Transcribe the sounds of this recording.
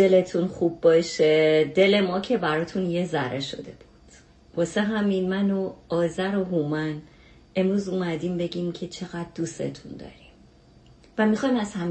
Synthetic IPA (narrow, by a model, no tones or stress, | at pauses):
dele̞t̪ʰunχubːɒːʃed̪e̞le̞mɒːcʰe̞bæɾɒːt̪ʰunjezæɾʔeʃo̞̰d̪e̞b̥ud̪̥ | b̥ɒːseɦæminmænoɒːzæɾo̞ɦumæn | e̞mɾuːzumæd̪iːmbe̞ɟimcʰe̞t͡ʃʰe̞ɣæd̪̚ːust̪e̞̰t̪ʰund̪ɒ̰ːɾim | væmixɒjmæzhæm